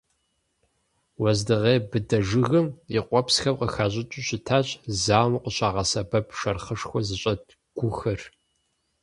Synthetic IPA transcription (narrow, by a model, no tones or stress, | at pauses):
wɐzdɨʁeːbɨdɐʒɨɣɨmjɪqʷɔpsxɐmqəxaːɕ̬ʼɪt͡ʃʼʊɕɪtʰaːɕʼzaːmɨqəɕʼaːʁɐsɐbɐpʰʂɐrχəʂxʷɔzɨɕʼɐd | ɡ̥ʷʊxɨr